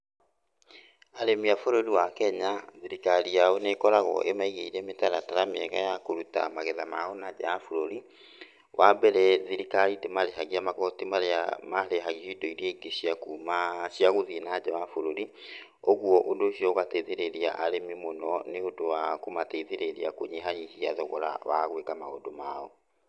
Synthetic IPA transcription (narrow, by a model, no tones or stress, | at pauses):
aɾemiafoɾoɾiwakɛɲaðiɾikaɾijaonekɔɾaɣɔ̰ʔemaiɣeiɾɛmetaɾataɾameɛɣajakoɾuta̰maɣɛðama̰onad͡ʑajafoɾoɾi | wʔabɛɾɛðiɾikaɾidemaɾeɦaɣiamaɣɔtimaɾmaɾeɦaɣioidɔiɾieɡeɕiakumaʃiaɣoðinad͡ʑawafoɾoɾi | oɣwɔʔondoʃiɔɣateiðeɾeɾiaʔaɾememonɔneodowakomateiðeɾeɾiakoɲeɦaɲihiaðɔɣɔɾa̰wa̰ɣwekamaɣo̰domaːɔ